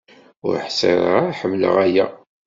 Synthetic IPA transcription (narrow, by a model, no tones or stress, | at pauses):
ʊ̰ɾħsə̰ɾ̰ˤɾaħəmːlə̰ʁæjæ